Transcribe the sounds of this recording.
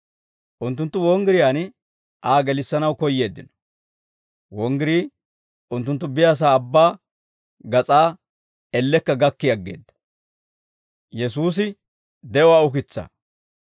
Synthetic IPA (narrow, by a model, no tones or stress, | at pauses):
ʔʊnt̪̬ːʊnt̪ːʊwɔŋɡɪɾɪjaːn | ʔaːɡɛlɪsːɐnɐwkɔjːe̞ːd̪ːɪ̰nɔ̥ | wɔŋɡɪɾiː | ʔʊnt̪ːʊnt̪ːʊbɪjaːs̬aːbːaː | ɡɐt͡sʼaː | ɛlːɛkːɐɡɐkːɪjɐɡːḛːd̪ːɐ̥ | jɛsuːs̬ɪ | d̪ɛɔwaʊkɪt͡sːa̰